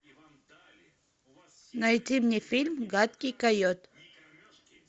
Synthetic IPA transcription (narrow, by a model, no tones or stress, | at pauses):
najt͡simɲifilmɡat̪kikajot̪